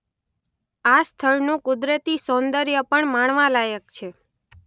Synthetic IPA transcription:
ast̪ʰəɭnũkʊd̪ɾət̪isɔ̃nd̪əɾjəpəɳmaɳʋãlajək̚t͡ʃʰe

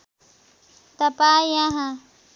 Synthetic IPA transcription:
t̪apaːjaɦa

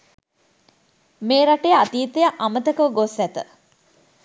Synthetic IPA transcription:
meːɾaʈejəat̪iːt̪ejəʔamət̪əkəʋəɡosæt̪ə̰

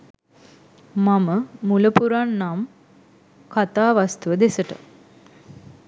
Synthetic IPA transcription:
maməmuləpuɾanːam | kat̪aːʋast̪uʋəd̪esəʈə̰

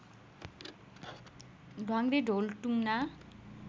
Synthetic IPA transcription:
ɖʱwaŋɡreɖʱolʈuŋna

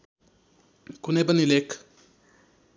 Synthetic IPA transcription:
kunepʌnilekʰ

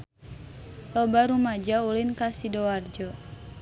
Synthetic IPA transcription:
lɔbaɾumad͡ʒaulinkasidɔward͡ʒɔ

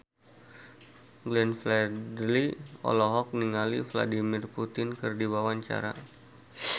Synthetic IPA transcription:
ɡlɛnflɛdliɔ̰lɔɦɔk̚niŋalifla̰dimirput̪ɪnkɨrdiwawaɲt͡ʃa̰ɾa̰

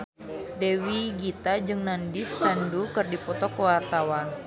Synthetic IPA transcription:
dewiɡit̪ad͡ʒɨŋnandisːandukɨrdipɔt̪ɔkəwart̪awan

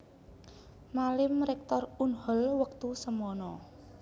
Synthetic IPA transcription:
malɪmɾɛk̚t̪ɔrunhɔlwək̚t̪usəmɔnɔ

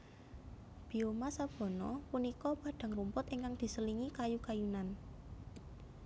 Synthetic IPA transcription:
b̥i̤omasab̥ɔ̤nɔpunikɔb̥a̤ɖ̪̥a̤ŋrumpʊt̪iŋkaŋd̪̥i̤səliŋikajukajunan

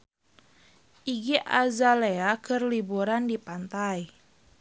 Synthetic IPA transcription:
ʔiɡiʔa̰zaleakʰərlibuɾandipant̪aj

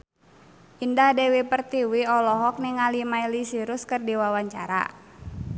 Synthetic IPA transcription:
ʔindahdɛwipərt̪iwiɔlɔɦɔk̚niŋalimailisiɾʊskɨrdiwawaɲt͡ʃa̰ɾa̰

